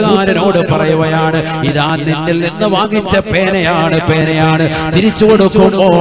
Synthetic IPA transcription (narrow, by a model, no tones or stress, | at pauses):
ɣaːɾɐno̞ːɽɨpɐrɐjuʋɐjaːɳɨ | iðaːnnenːilnenːɨʋaːɡit͡ɕːɐpeːnɐjaːɳɨpeːnɐjaːɳɨ | t̪iɾit͡ɕːuɣoɽukːumboː